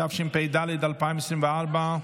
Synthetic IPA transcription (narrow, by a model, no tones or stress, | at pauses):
afʃimpɛjd̪alɪd̪alpajmsimvealba